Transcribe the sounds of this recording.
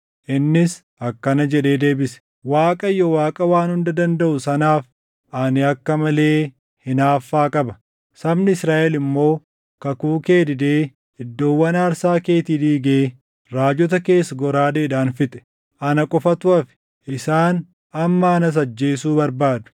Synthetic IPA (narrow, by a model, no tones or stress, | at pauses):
ʔɪnːɪs | ɐkːɐnɐd͡ʒɛᶑe̞ːd̪e̞ːbɪsɛ̥ | waːkʼɐjːɔwaːkʼɐwaːnhʊnd̪ɐd̪ɐnd̪ɐʔʊsɐnaːf | ʔanɪɐkːɐmɐle̞ː | hɪnaːfːaːkʼɐbɐ | sɐbnɪɪsɾaːʔɛlɪmːo̞ː | kɐkuːke̞ːd̪ɪd̪eː | ɪd̪ːo̞ːwːɐnaːɾsaːke̞ːt̪id̪iːɡeː | ɾaːd͡ʒɔt̪ɐke̞ːsːɐɡɔɾaːd̪eːᶑaːnfɪt̪ʼɛ̥ | ʔɐnɐkʼɔfɐt̪ʊɐfɪ̥ | ʔɪsaːn | ɐmːɐɐnɐs̬ɐd͡ʒːe̞ːsuːbɐɾbaːd̪ʊ̥